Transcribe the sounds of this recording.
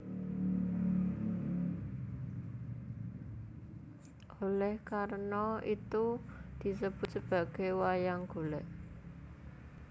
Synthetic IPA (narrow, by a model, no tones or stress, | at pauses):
ʔolɛhkaɾnɔit̪ud̪̥i̤s̬əb̥ʊt̪̚səb̥a̤ɡ̥e̤jwajaŋɡ̥olɛʔ